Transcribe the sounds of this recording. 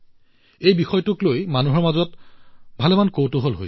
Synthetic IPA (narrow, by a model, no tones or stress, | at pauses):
ejbixɔjtʊklojmanuɦɔɹmazɔtbʱalemankowtʊɦolɦo̰j